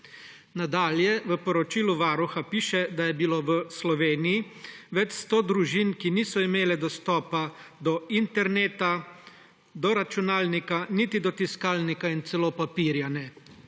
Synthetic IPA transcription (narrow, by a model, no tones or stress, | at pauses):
nad̪aːljɛʋəpɔɾɔt͡ʃiːluʋaːɾuxapiːʃɛd̪ajɛbiloːʋəslɔʋeːnijiʋɛt͡ʃst̪oːd̪ɾuʒinkiniːsɔimeːlɛd̪ɔst̪ɔːpad̪ɔint̪ɛɾneːt̪a | d̪ɔɾat͡ʃunaːlnikanit̪id̪ɔt̪iskaːlnikaint̪sɛloːpapiːɾjanɛ